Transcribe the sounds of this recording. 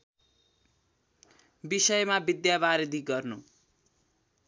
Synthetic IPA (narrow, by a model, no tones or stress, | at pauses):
bisʌjmabid̪jabaɾid̪ʱiɡʌrnu